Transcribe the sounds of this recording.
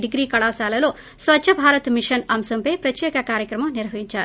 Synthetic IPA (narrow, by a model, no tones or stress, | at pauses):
ɖiɡɾiːkɐɭaːsaːlɐlo̞ː | sʋɐtːʃʰɐbʱaːɾɐt̪miʂɐnɐmsɐmpeːpɾɐt̪jɛːkɐkaːɾjɐkɾɐmɐmniɾɐɦɐɦiɲt͡ʃaːɾu